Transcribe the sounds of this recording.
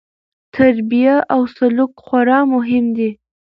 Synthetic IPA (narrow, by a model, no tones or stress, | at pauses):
t̪ʰaɾbijaʔawsalʊkxwaɾɑmʊɦɪmd̪i